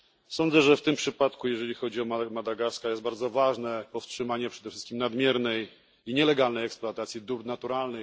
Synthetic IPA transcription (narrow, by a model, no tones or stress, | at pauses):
sɔnd̪zɛʐɛft̪ɘmpʂɘpat̪kujɛʐɛlʲixɔd͡ʑiɔmamad̪aɡaɾskajɛst̪̚baɾd̪zɔvaʐnɛpɔfstʂɘmaɲɛpʂɛd̪ɛfʂɘst̪̚kʲimnad̪mʲjɛɾnɛj | iɲɛlɛɡalnɛjɛkspluat̪at̪sʲjid̪uɾnat̪uɾalnɛ